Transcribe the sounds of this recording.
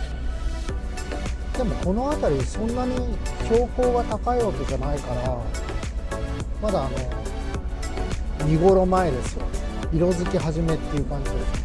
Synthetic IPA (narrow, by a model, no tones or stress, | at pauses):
d̪e̞mo̞ko̞no̞at̪aɾʲisõ̞nːaɲ̟ikʲo̞ːko̞ːɡat̪akaiβake̞ʑanaikaɾa | mad̪aːno̞ | ɲʲiɡo̞ɾo̞mae̞d̪e̞sɨ̥jo̰ | iɾo̞zɨkʲiɦaʑime̞t̪ːe̞iɯ̟kãɲ̟d͡ʑid̪e